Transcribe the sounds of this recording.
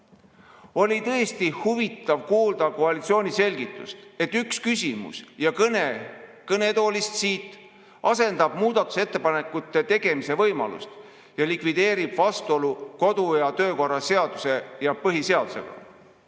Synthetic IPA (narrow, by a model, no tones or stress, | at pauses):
o̞lʲit̪ɤest̪ihuvit̪ːˑɑvkuːld̪̥ɑko̞ɑlit̪sio̞ːnʲise̞lʲɡit̪ːˑṵst̪e̞t̪ːykskysʲimṵsjɑkne | kɤne̞t̪o̞ːlist̪siːt̪ˑː | ɑse̞nd̪̥ɑb̥muːd̪̥ɑt̪ːˑu̥set̪ːe̞pɑnekːˑut̪ːˑet̪e̞ɡ̥e̞mise̞vɤjmɑ̰lṵst̪ | jɑlikvid̪e̞ːɾib̥vɑst̪o̞luko̞d̪ujɑt̪ø̞ːko̞rːɑse̞ɑd̪̥use̞jɑpɤɦise̞ɑd̪use̞̰ɡ̥ɑ̰